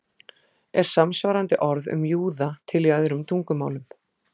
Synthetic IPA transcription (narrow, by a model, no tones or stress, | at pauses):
ɛɾ̥samsvaɾant̪ɪʔɔɾðʏ̰mjuːðat̪ʰɪlːɪaðɪɾʏmt̪ʰuŋkʏmaːwlʏm